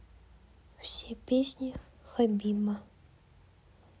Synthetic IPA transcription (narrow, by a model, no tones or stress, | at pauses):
w̥sʲipʲisʲnʲi | xɔbʲimɐ